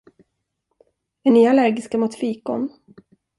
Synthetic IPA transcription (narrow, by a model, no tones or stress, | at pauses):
ɛnːyːalæɾɡɪskamʊt̪fiːkɔ̰n